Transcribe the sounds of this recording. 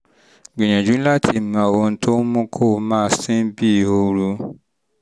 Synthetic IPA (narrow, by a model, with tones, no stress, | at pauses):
ɡ͡bĩ˨j̃ã˨d͡ʒũ˨˦la˦tʰi˦˧˨mã˧˨o˨o˧n̩˦tʰo˦mũ˦kʰo˦˨˦mãː˦˨sĩ˦bi˦˨o˧ɾu˧